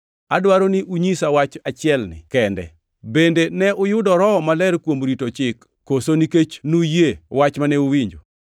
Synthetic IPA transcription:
adwaɾonɪʔuɲisawat͡ʃat͡ʃɪɛlnɪ̰kɛndɛ̰ | bendenɛʔʊjʊdɔɾɔmalɛɾkwomɾitot͡ʃɪkːosoniket͡ʃnujewat͡ʃmanɛuwiɲd͡ʒo

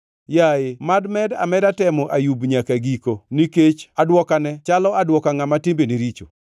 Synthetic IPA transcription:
jaɪmadmɛda̰mɛdatɛmɔʔajubɲakaɡikoniket͡ʃadwɔkanɛt͡ʃalɔadwɔkaŋamatɪmbeniɾit͡ʃo̰

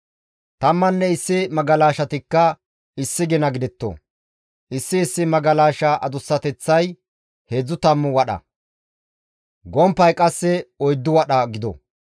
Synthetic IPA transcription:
t̪ɐmːɐnːɛɪsːɪmɐɡɐlaːʃɐt̪ɪkːɐ | ɪsːɪɡɪnɐɡɪd̪ɛt̪ːo̰ | ʔɪsːɪːsːɪmɐɡɐlaːʃɐʔɐd̪ʊsːɐt̪ɛt͡sːɐj | heːd͡zːʊt̪ɐmːʊwɐɗɐ̰ | ɡɔmpːɐjkʼɐsːɛɔjd̪ːʊwɐɗɐɡɪd̪ɔ̰

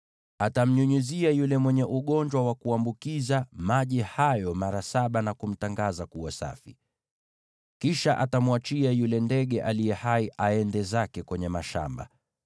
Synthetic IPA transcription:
atam̩ɲuɲuziajulɛmwɛɲɛʔuɠɔnd͡ʒwawakuambukizamaʄihajɔmaɾasaɓanakum̩taŋɡazakuwasa̰fḭ | kiʃaʔatamwat͡ʃiajulɛndɛɠɛʔalijɛhaiʔaɛndɛzakɛkwɛɲɛmaʃa̰mba̰

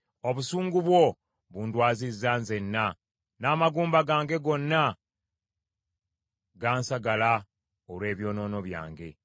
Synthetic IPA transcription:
o̞βusuːŋɡuβwo̞ | βundwaːzizːaːnze̞nːa | naːmaɡuːmbaɡaːŋɡe̞ɡo̞nːa | ɡaːnsaɡala | olwe̞ːβjo̞ːno̞ːno̞βja̰ːŋɡe̞̰

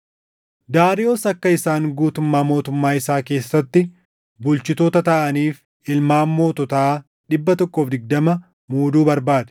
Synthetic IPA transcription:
d̪aːɾɪoːsɐkːɐɪsaːŋɡuːt̪ʊmːaːmo̞ːt̪ʊmːaːɪsaːke̞ːsːɐt̪ːɪ | bʊlt͡ʃɪt̪oːt̪ɐt̪aʔɐniːf | ɪlmaːmːo̞ːt̪ɔt̪ɐaː | ᶑɪbːɐt̪ɔkːofd̪ɪɡ̚d̪ɐmɐ | muːd̪uːbɐɾbaːd̪ɛ̥

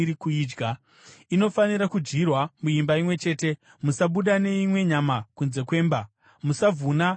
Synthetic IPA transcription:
ɾikuiːd͡ʒɡa | ino̞faniɾakud͡ʒɡirwamuimbaimwe̞t͡ʃe̞ːte̞ | musaɓuɗane̞imwe̞ɲamakunze̞kwe̞ːmba | musavʱuna

